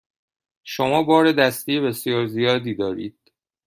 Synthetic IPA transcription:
ʃomɒːbɒːɾe̞d̪æst̪ʰijebe̞sjɒːɾzijɒːd̪iːd̪ɒːɾḭːd̪̥

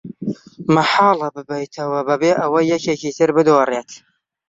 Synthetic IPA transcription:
mɐħɑːlˠɐbɨbɐjt̪ʰɐwɐbɐbeːʔɐwɐjːɛkeːkiːt̪ʰɨɾbɨd̪oːreːt̪ʰ

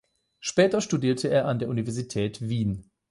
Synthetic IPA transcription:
ʃpɛːtɐʃtudiːɐtʰəeːɐʔandeːɐʔunivɛɐzitʰɛːtviːn

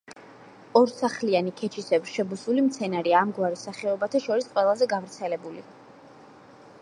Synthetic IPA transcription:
ɔɾsaχlianikʰɛt͡ʃʰisɛbɾʃɛbusulimt̪sʰɛnaɾiaːmɡwaɾisaχɛɔbat̪ʰaʃɔɾisqʼwɛlˠazɛɡavɾt̪sʰɛlɛbulḭa

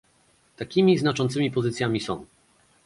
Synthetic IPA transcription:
t̪akʲimʲiznat͡ʂɔnt̪sɘmʲipɔzɘt̪sʲjamʲisɔ̃w̃

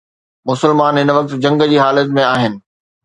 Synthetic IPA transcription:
mʊsəlmaːnɦɪnəʋɐk̚t̪d͡ʑɐ̃ŋɡd͡ʑiːɦaːlət̪mẽaːɦɪnɪ̆

